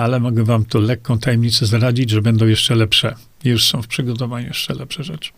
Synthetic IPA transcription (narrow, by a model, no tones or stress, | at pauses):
alɛmɔɡɛvamt̪ɔlɛkːɔ̃w̃t̪ajɛmɲit̪sɛzɾad͡ʑid͡ʑʐɛbɛnd̪ɔ̃w̃jɛʂt͡ʂɛlɛpʂɛ | juʂsɔ̃w̃fpʂɘɡɔt̪ɔvaɲujɛʂt͡ʂɛlɛpʂɛʐɛt͡ʂɘ̥